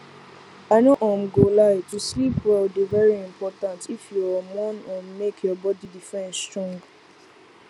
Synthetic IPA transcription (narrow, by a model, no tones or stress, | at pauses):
anoʔɔ̃mɡolaɪtuslipwɛlbivɛɹiĩmpɔtãntifjuamɔ̃nɔ̃mmekʰjɔbɔdidifɛ̃nsstɹɔ̃ŋɡ